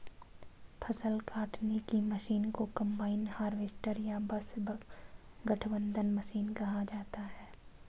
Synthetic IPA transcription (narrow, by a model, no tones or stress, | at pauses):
pʰɐsəlkaːʈnekimɐʃiːnkokɐ̃mbaːɪnhaːɾʋeːsʈəɾjabɐsbə | ɡɐʈʰbə̃nd̪ʱənmɐʃiːnkɐɦad͡ʒaːt̪aɦɛː